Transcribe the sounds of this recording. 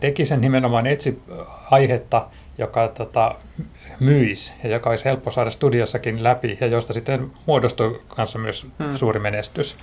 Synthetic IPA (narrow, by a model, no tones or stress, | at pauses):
t̪ekisennimenomɑːnet̪siɑihet̪ːɑ | jokɑt̪ot̪ɑ | myisjɑjokɑoishelpːosɑːdɑst̪udiosːɑkinlæpijɑjost̪ɑsit̪ːenmuodost̪uikʰɑnsːɑmyøssuːrimenest̪ys